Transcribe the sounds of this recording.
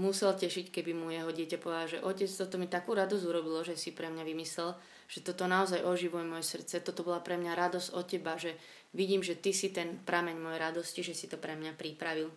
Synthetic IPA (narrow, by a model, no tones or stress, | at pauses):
musɛlcɛʃickɛbimujɛɦɔɟɪɛcapɔʋɛd̪alʒɛʔɔcɛt͡st̪ɔt̪ɔmit̪akuːɾad̪ɔzuɾɔbilɔʒɛsipɾɛmɲaʋimislɛl | ʒ̥ɛt̪ɔt̪ɔnaɔzajʔɔʒiʋujɛmɔjɛsr̩t͡sɛt̪ɔt̪ɔbɔlapɾɛmɲaɾad̪ɔzɔcɛbaʒɛ | ʋiɟiːmʒɛt̪isit̪ɛnpɾamɛɲmɔjɛɾad̪ɔsciʒɛsit̪ɔpɾɛmɲapɾipɾaʋil